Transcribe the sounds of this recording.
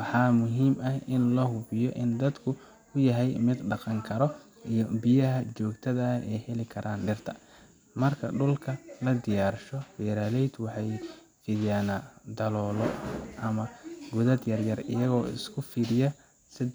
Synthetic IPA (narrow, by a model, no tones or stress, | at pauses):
wɑħɑːmʊɦiːmɐhɪnlɐɦʊβɪjɔʔɪnd̪ɐd̪kʰʊ | ʊjɐɦɛjmɪd̪ɖɑqɑŋkʰɐɾɔ | ijɔbɪjɐɦɐt͡ʃɔːɡt̪ʰɐðɐɛjhɛlɪkʰɐɾʔaːnɖɪrt̪ʰɐ | mɐrkʰɐɖʊlkʰɐlɐd̪ɪjaːrʃɔbɛːɾaːlɛjd̪wɑħɑj | fɪðjaːnɐd̪ɐlɔːlɔʔɐmɐɡʊðɐd̪jɐrjɐrɪjɐɣɔːɪ̰skʰʊfiːɾɪjɐ | sɪd